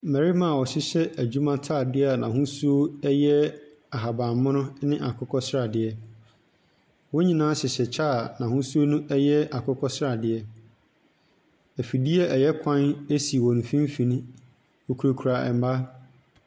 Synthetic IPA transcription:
mæ˨ɾi˦mã˦˨ɔ˨sɪ˦ɕɛ˦æ˨d͡ʑu˦mã˦tʰa˦˨dɪ˦a˨nã˨ɦʊ̃˦su˦o˦ɛ˦jɛ˦ | a˨ɦa˨bã˨mː˦ʊ̃˦nʊ̃˦nɪ̃˦ʔa˨kʰʊ˦kʰɔ˦sɾa˨dɪ˨ɛ˦ | wo˦ɲĩ˨nãː˦sɪ˨ɕɛ˨t͡ɕʰa˦˨nã˨hʊ̃˦su˦o˦nũ˦ʔɛ˦jɛ˦a˨kʰʊ˦kʰɔ˦sɾa˨dɪ˨ɛ˦ | æ˨fi˨di˦ɛ˦ʔɛ˨jɛ˦kʷʰã˦ne˦si˨wɔ̃˨n˨fĩ˦m˦fĩ˨nũ˦ | ɔ˨kʰu˨ɾo˨kʰu˨a˨ɛ̰˨m˦ba˦

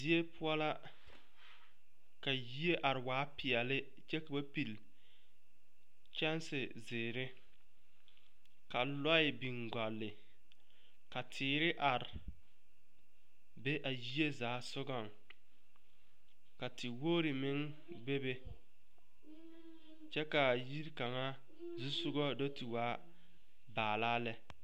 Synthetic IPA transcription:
di˦e˦pʰʊ˦ɔ˦la˦ | ka˨ji˦e˦ʔa˨ɾɪ˨waː˨˦pɪ˨ɛ˨lɪ˦ | t͡ʃɛ˦ka˨ba˦pi˨l | t͡ʃɛ˦nsɪ˨ | zɪː˨ɾɪ˦ | ka˨lɔ˦ɪ˨bi˨ŋɡa˨lːɪ˨ | ka˨tʰɪː˨ɾɪ˦ʔa˨ɾɪ˨ | be˦ʔa˨ji˦e˦zaː˨˦sʊ˦ɡɔ˦˨ŋ | ka˨tɪ˨woː˦ɾɪ˨mɪ˦ŋ | ɡ͡be˦be˦ | t͡ʃɛ˦ka˨ji˦ɾka˨ŋa˦ | zu˦sʊ˦ɡɔ˦do˦ti˨waː˦ | baː˨laː˦lɛ˦

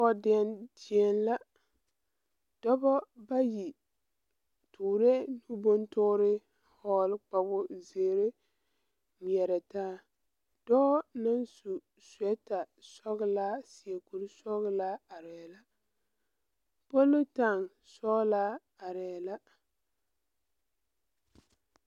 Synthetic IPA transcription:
ɔ˦dɪ˨˦nti˨ɛ˨nla˦ | d̥ɔ˦bɔ˦ba˦ji˨ | tuː˨ɾe˦nu˦bo˦ntʊː˦ɾɪ˦ | hɔː˦lk͡pa˨bʊ˦zeː˨ɾe˦ | mi˨ɛ˨ɾɛ˨taː˦ | d̥ɔː˦na˦nsu˨ | swɛ˦ta˨ | sɔ˦ɣɪ˦laː˦si˨e˨ku˨ɾsɔ˦ɣlaː˦a˨ɾɛ˨la˦ | po˦lːʊ˦ta˦˨ŋ | sɔː˦laː˦ | a˨ɾɛː˨la˦

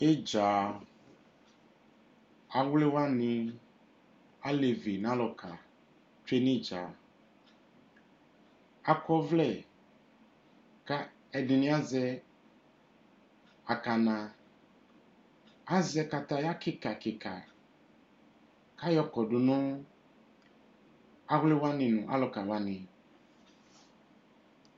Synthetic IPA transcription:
e˦d͡ʒa˨ | a˨wle˦wa˦nɪ̃˨ | a˦le˨vi˨nã˦lɔ˨kʰa˨ | t͡ʃe˦nɪ˦d͡ʒa̰˨ | a˨kɔ˦vlɛ˨ | ka˦ | ɛ˨dɪ˨nĩ˦a˦zɛ˦ | a˨ka˨nã˨ | a˦zɛ˧ka˨ta˨ja˦kɪ˦ka˨kɪ˨ka˨ | ka˦jɔ˦kɔ˨dʊ˨nʊ̃˦ | a˦ɣlɪ˦wa˦nɪ̃˨nʊ̃˨ʔa̰˦lɔ˨ka˨wa˦nɪ̃˨

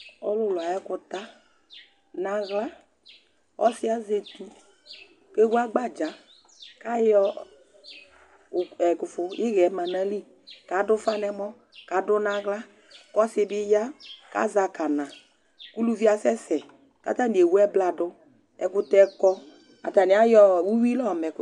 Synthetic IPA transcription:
ɔ̰˨lʊ˦˨lʊ˨a˨ɛ˦kʊ˧ta˦ | nã˨ɣla˦ | ɔ̰˦sɪ˦a˦ze˨tu˦ | ke˦u˦a˦ɡ͡ba˦d͡ʒa˨˦ | ka˦jɔ˦˨ | ɛ˨kʊ˨fʊ˨ɪ˦ɣɛ˨˦ma˨na˦li˦ | ka˨˦dʊ˦fa˦nɛ˧mɔ˦ | ka˨˦dʊ˦nã˨ɣla˦ | kɔ˦sɪ˧bɪ˦ja˦ka̰˦za˧ka˨nã˨ | ku˦lu˦vi˦a˦sɛ˦sɛ˨ | ka̰˨˦ta˦˨ni˨e˨wu˦ɛ˦bla˨dʊ˦ | ɛ˨˦kʊ˧tɛ˧kɔ˧ | a̰˨ta˨nɪ˨˦a˨˦jɔ˧˦˨wu˦wi˦lɔ˦˨mɛ˨k

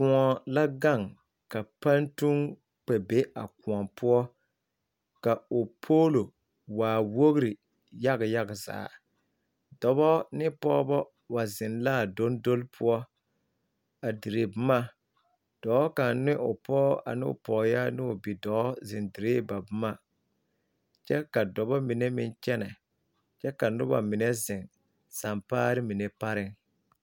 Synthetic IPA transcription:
ku˨ɔ˨la˦ɡa˦˨ŋ | ka˨pa˦ntu˦ŋ | k͡pɛ˨be˦a̰˨ku˨ɔ˨pu˦ɔ˦ | ka˨o˨pʰoː˦lo˨ | waː˨wo˦ɣɾi˨ | ja˦ɣa˨ja˦ɣa˨za̰ː˨ | dɔ˨bɔ˦nɪ˦pɔ˦bɔ˦ | wa˨zɪ˨nlaː˦˨do˦n˦do˦lpʰu˦ɔ˦ | a˨di˨ɾe˨bʊ˦ma˦ | d̥ɔ˨˦ka˨nnɪ˦ʔʊ˨pɔː˦a̰˨nɪ̰˦ʊ̰˨pɔː˨ja˦nɪ˦ʊ˨bi˨dɔ˨˦zɪ˨ndɪ˨ɾeː˦ba˨bʊ˦ma˦ | t͡ʃɛ˦ka˨dɔ˨bɔ˦mi˨nɛ˦mɪ˦nt͡ʃɛ˦nɛ˨ | t͡ʃɛ˦ka˨nʊ˦ba̰˨mɪ˨nɛ˦zɪ˨ŋ | sa˨mpaː˦ɾɪ˦mi˨nɛ˨pa˦ɾɪ˦ŋ

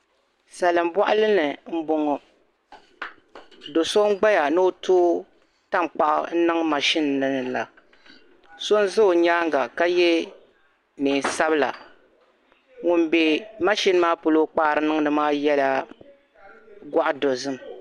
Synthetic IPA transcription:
sa˨lɨ˨m˦ba˦ʔʊ˦lɨ˦nɨ˨m̩˦bo˦ŋɔ˨ | do˨so˦ŋ˦ɡ͡ba˦ja˨nɨ˦o˦tʰoː˦ | ta˦m˨k͡pa˨ʔʊ̰˨n̩˦nɨ˦ŋ˦ma˨ʃi˦n˨nɨ˨nɨ˨la˨ | so˦n˦zɨ˦o˨ɲaː˦ŋ˦ɡa˨ka˦jɛ˦ | niː˨n˨sa˦bɨ˦la̰˨ | ŋʊ˦˨mbɛ˨ma˦ʃi˦n˦maː˦po˨lo˦k͡paː˦˨ɾɨ˦nɨ˦ŋ˦nɨ˨maː˦jɛ˦la˦ | ɡʷa˦ʔʊ˦do˨zɨ˦m˨

